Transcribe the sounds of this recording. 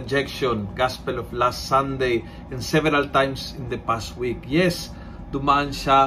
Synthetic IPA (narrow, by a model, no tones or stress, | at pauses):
d͡ʒɛkʃõnɡaspelɔflast̪sãnd̪ej | ẽnsɛvɛɾalt̪ãjmsĩnd̪epastwikjɛs | d̪umanʃa